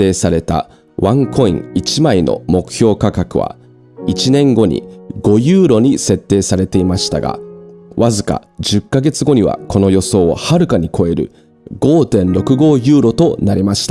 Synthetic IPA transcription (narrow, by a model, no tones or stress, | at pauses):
e̞ːsaɾe̞t̪a̰ | βãŋkʰo̞ḭ̃ŋit͡ɕimaino̞̰mo̞kɯ̟̥çʲo̞ːkakakɯ̟βa̰ | it͡ɕinẽ̞ŋɡo̞ɲ̟ḭɡ̥o̞jɯːɾo̞ɲ̟ise̞t̪ːe̞ːsaɾe̞t̪e̞imaɕi̥t̪a̰ɡa̰βazɨka̰d͡ʑɨkːaɡe̞t͡sɨɡo̞ɲ̟iβa̰ko̞no̞jo̞so̞ːhaɾɯ̟kaɲ̟ikʰo̞e̞ɾɯ̟̰ | ɡo̞ːt̪ẽ̞nɾo̞kɯ̟ɡo̞ːjɯ̟ːɾo̞t̪o̞naɾʲimaɕi̥t̪a